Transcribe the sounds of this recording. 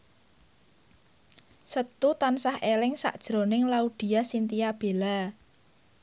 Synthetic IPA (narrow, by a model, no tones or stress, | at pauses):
sət̪ut̪ansahʔelɪŋsa̰ʔd̥ʒ̥ɾo̤nɪŋlaud̪̥i̤jasint̪ijab̥e̤la